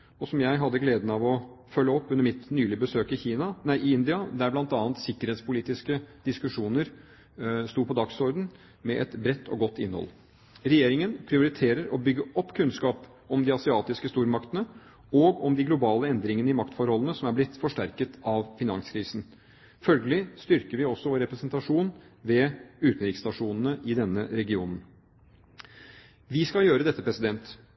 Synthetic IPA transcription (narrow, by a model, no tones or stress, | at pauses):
ɔsɔmjæɪɦɑd̪ːəɡleːd̪n̩ɑʋɔfœlːəɔpːʉnːəmɪt̪nyːlɪbəsøːkɪçiːnɑnæɪʔɪɪnd̪ɪɑd̪æɾblɑnt̪ɑːnt̪sɪkːəɾheːt̪spʊliːt̪ɪskəd̪̥ɪskʉʂuːnəɾ | st̪uːpʰɔd̪ɑksɔɾd̪n̩ | mɛʔɛt̪bɾɛt̪ːɔ̰ɡɔt̪ːɪ̰nːəhɔ̰l | ɾɛjeːɾɪŋənpʰɾɪʊɾɪt̪ʰeːɾəɾɔbʏɡːəɔpːkʰʉnskɑːp | ɔmd̪ɪɑsɪɑːt̪ɪskəst̪uːɾmɑkt̪ənə | ɔɡɔmd̪ɪɡlʊbɑːləɛnd̪ɾɪŋənəɪmɑkt̪fɔɾhɔlːənəsɔmæɾblɪt̪ːfɔʂʈæɾkət̪ɑʋfɪnɑŋskʰɾiːsn̩ | fœlɡəlɪst̪ʏɾkəɾʋɪɔsːɔʋoːɾɛpɾɛsnt̪ɑʂuːnʋɛʉːt̪n̩ɾɪkst̪ɑʂuːnən̩əʔɪd̪ɛnːəɾɛɡɪuːnn̩ | ʋɪskɑljøːɾəd̪ɛt̪ːəpɾɛsɪd̪ɛnt̪